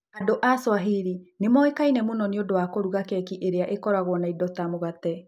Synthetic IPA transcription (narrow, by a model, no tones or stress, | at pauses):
adoʔaswaɦiɾinemɔekainɛmonɔneodowakoɾuɣakɛkiʔeɾeaʔekɔɾaɣwɔnaidɔtamoɣatɛ